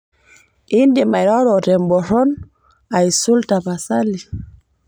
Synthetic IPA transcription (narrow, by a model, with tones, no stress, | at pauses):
i˦ndi˨ma˨i˨ɾa˦ɾɔ˨tɛ˨mbɔ˨ɾɔ˦n | a˨i˨su˦lta˨pa˨sa˦li˨